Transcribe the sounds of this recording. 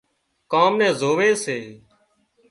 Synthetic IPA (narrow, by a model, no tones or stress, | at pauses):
kaːmnɛ̃ːzoːʋeːseː